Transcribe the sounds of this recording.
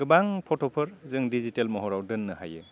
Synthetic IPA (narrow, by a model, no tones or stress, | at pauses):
ɡɯbaŋpʰɔtʰɔpʰɯɾzɯŋdizitelmɔɦɔɾawdɯnːɯha̰jɯ̰